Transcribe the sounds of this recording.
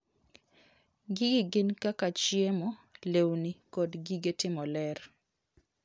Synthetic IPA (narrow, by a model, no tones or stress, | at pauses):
ɡiɡɪɡɪnkakat͡ʃɪemɔlewnikɔdɡiɡetɪmɔlɛr